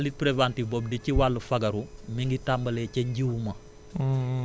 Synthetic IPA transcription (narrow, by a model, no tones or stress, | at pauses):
lit̚pɾevantibɔb̚diciwalːufɐɡɐɾumiŋɡitambɐlɛcɐɲɟiwmɐ